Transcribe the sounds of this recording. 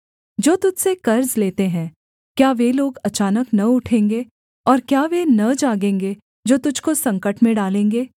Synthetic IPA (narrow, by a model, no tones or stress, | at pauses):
d͡ʒoːt̪ʊd͡ʒʱsekɐɾzleːt̪eɦɛ̃ː | kjaːʋeloːɡɐt͡ʃaːnəknɐʊʈʰẽːŋɡeː | ɔːɾkjaːʋenɐd͡ʒaːɡẽːŋɡe | d͡ʒoːt̪ʊd͡ʒʱkosɐ̃ŋkəʈmẽɖaːlẽːŋɡeː